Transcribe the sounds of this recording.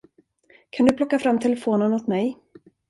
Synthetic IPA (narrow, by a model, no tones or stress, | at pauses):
kʰand̪ɵpʰlɔkːafɾamːt̪ʰɛlɛfoːnənɔt̪mɛj